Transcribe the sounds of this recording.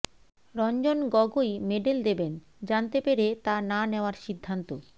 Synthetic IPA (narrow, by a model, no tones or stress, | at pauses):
ɾɔnd͡ʑonɡɔɡojmeɖeld̪eben | d͡ʑant̪epeɾet̪ananeoaɾʃid̪ʱːant̪o